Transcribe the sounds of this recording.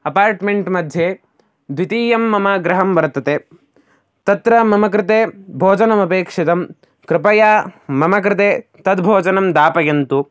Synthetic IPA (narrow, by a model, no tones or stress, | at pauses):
ɐpaːɾʈmeɳʈmɐd̪ʱje | d̪ʋit̪iːjɐmːɐmɐɡɾɐɦɐmʋɐɾt̪ːɐt̪e | t̪ɐt̪ɾɐmɐmɐk̬ɾɪt̪eːbʱoːd͡ʒɐnɐmɐpeːkʂit̪ɐm | kɾɪpɐjaːmɐmɐkɾɪt̪eːt̪ɐd̪bʱoːd͡ʒɐnɐmd̪aːpɐjɐnt̪u